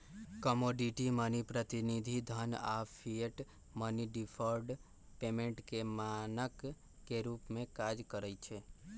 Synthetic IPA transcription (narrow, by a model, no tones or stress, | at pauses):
kəmoɖiʈimənipɾət̪inid̪ʱid̪ʱəna̰pʰieʈ | məniɖipʰəɾɖ | pemẽɳʈkemanəkː | eɾupmẽkad͡ʒkəɾəjt͡ʃʰe